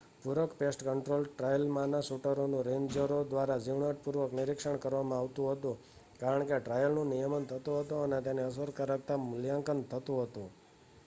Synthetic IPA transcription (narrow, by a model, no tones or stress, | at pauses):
puɾəkpesʈkəɳʈɾolʈɾajəlmanasuʈəɾonũɾend͡ʒəɾod̪ʋaɾad͡ʒiʋɳəʈ̚puɾʋəknɪɾikʂəɳkəɾʋamãaʋt̪ũɦət̪ũ | kaɾəɳkeʈɾajəlnũnijəmənt̪ʰət̪ũɦət̪ũənet̪aneəs̬əɾkaɾək̚t̪amʊljaŋkənt̪ʰət̪ũɦət̪ũ